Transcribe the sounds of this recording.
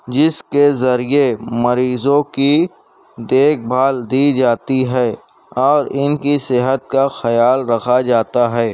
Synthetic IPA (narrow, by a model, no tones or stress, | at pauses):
d͡ʒɪskezɐɾiemɐɾiːzõki | d̪eːk̚ʰbʱaːld̪iːd͡ʒaːt̪iɦɛː | ɔːɾɪnkiseɦət̪̚kaxɐjaːlɾɐkʰad͡ʒaːt̪aɦɛː